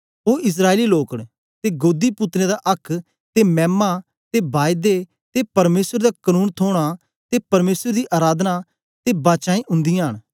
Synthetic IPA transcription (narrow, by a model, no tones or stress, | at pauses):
oːʔɪs̬ɾaːeliloːkɽ | t̪eɡoːd̪ipʊt̪ɾẽd̪aʔɐkʰ | t̪emɛ̃ːmːa | t̪ebaːjd̪e | t̪epɐɾmeːsəɾd̪aːkənuːnt̪ʰoːɽ̃a | t̪epɐɾmeːsəɾd̪iʔaːɾaːd̪na | t̪ebaːt͡ʃãːĩʔʊ̃nd̪ijãɦəɽ̃